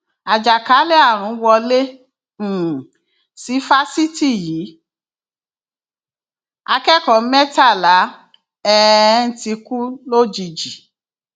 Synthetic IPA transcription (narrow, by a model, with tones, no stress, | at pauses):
a˨d͡ʒa˨ka˨˦le˦a˦˨ɾ̃ũ˨˧˦wɔ˧lẽ˦˨ | si˨˦fa˦si˦ti˦˨jiː˨˦ | a˧kɛ˦kɔ̃˨˦mɛ˦ta˦˨la˨˦ | ɛ˦n̩˦ti˧ku˦lo˦d͡ʒi˧d͡ʒi˨